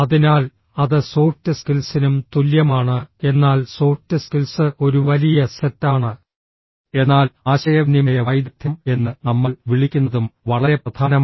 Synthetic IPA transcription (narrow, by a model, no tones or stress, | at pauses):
ɐðinaːl | ɐðɨso̞ːrtːɨskilsinumt̪uljɐmaːɳɨe̞nːaːlso̞ːrtːɨskilsɨʔo̞ɾuʋɐlijɐsetːaːɳɨ | e̞nːaːlaːɕɐjɐʋnimɐjɐʋɐjd̪it̪ʰjɐme̞nːɨnɐmːɐɭʋiɭikʲːunːɐðumʋɐɭɐɾe̞prɐd̪ʰʱaːnɐm